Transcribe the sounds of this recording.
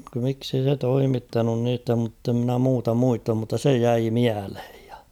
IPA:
miksei se toimitːɑnun niːtæ mutːe mnæ muːtɑ muistɑm mutːɑ se jæi miælhe̥j̊ j̊ɑ̥

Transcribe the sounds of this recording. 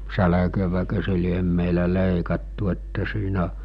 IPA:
sælækøʋækø se liem meilæ leˑikɑtːu etːæ siːnæ

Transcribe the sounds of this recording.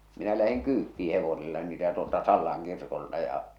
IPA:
minæ læhiŋ kyːtːiː heʋoselːɑ niːtæ tuoltɑ sɑlːɑŋ kirkoltɑ jɑ

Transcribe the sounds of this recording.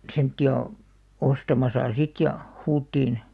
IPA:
semtːiɑ ostɑmɑsɑ sit jɑ huːtːiːn

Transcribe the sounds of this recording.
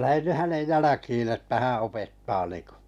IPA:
læhen ny hænej jælækiːn̞ etːæ hæ̃ː opetːɑː niːŋ̆ko

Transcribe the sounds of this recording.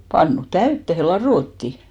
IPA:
pɑnːu tæytːehe lɑroˑtːi

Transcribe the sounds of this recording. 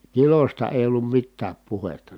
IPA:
kilostɑ eˑi̯ olːum mitːæːp puhetːɑ

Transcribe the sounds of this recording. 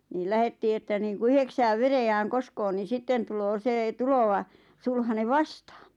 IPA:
niːl læhetːiː etːæ niːŋku yheksæːʋ ʋerejæːŋ koskpo ni sitːen tuloː seː tuloʋɑ sulhɑne ʋɑstɑ̥ːn̥

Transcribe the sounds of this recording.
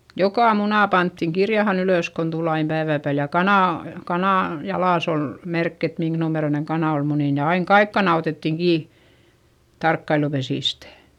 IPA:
jokɑˑ munɑ pɑntːiŋ kirjɑhɑn yløˑs kon tul ɑim pæiʋæˑ pæːl jɑ kɑnɑˑ kɑnɑˑ jɑlɑˑs ol merkː et miŋk numeroineŋ kɑnɑˑ ol muniˑn jɑ ɑiŋ kɑik kɑnɑ oteˑtːiŋ kiː tɑrkːɑilupesiˑstæ̥

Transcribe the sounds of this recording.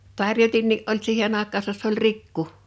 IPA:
tɑrjotinːiː ʔolʲ siːhen ɑˑekˑɑːsɑs se ol rikːu

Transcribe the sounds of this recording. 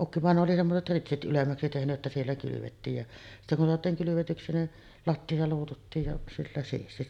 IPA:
ukːiʋɑˑenoː oli semːoset ritsit ʔylemːæksi tehnyʔ ʔetːæ sielːæ kylyʋetːiːj jɑ sitːæ kun soɑtˑiːŋ kylyʋetyksi nin lɑtːiɑ luːtutːiːj jɑ silːæ siːsti

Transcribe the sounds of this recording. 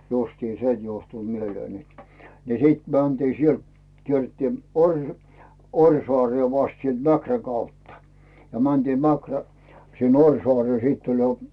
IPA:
justiːn se juohtu mieleːn net ni siˑt mæntiː sielt kierːĕtːiː orʲ orʲsoɑreː ʋɑst sielt mækræ kɑutːɑ jɑ mæntiːm mækræ sin orʲsoɑreː siːtː olʲ jo

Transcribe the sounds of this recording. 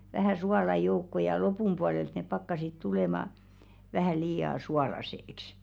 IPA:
ʋæhæˑ suɑlɑ joukːo jɑ lopum puɑlelt nep pɑkːɑsit tuleˑmɑ ʋæhæˑ liːɑ suɑlɑseĕks

